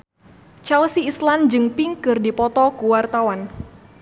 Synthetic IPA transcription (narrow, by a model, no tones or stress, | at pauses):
t͡ʃalsiːsland͡ʒɨŋpiŋkɨrdipɔt̪ɔkuwart̪awan